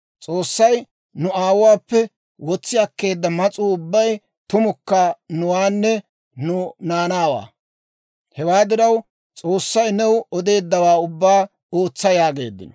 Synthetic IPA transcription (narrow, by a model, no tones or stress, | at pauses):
t͡sʼo̞ːsːɐj | nʊaːwʊwaːpːɛ | wɔt͡sːɪɐkːe̞ːd̪ːɐmɐt͡sʼuʊbːɐj | t̪ʊmʊkːɐnʊwaːnːɛ | nʊnaːnaːwa̰ː | hɛwaːd̪ɪɾɐw | t͡sʼo̞ːsːɐjnɛwɔd̪e̞ːd̪ːɐwaːʊbːaː | oːt͡sːɐjaːɡe̞̰ːd̪ːɪ̰nɔ